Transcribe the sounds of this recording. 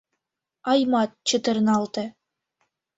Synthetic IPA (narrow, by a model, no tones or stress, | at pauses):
ɑjmɑt̪̚t͡ɕə̆t̪ɤ̆ɾnɑlˠt̪ɤ̆